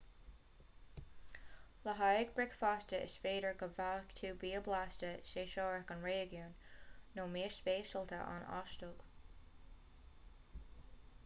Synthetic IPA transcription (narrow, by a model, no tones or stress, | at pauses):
ləɦajɪɡ̚bɹɪkfaːstəʔɪ̰sfeːɾəɹɡəvaːkt̪ʰuːbiːəblastəʃeːʃɔːɹəkənɹeːɡjunːoːmiːɹspeːʃəlˠt̪ʰə̰ʔa̰nɑ̰ʃtʊɡ̥